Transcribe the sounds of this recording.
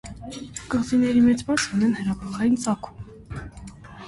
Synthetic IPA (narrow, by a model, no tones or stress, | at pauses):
kəʁt͡sinɛɾimɛt͡sbɑt͡sunɛnhəɾɑpʰɔχɑjint͡sʰɑkʰu̥m